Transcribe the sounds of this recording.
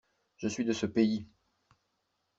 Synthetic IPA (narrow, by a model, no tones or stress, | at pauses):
ʒ̥əsɥid̪əsəpei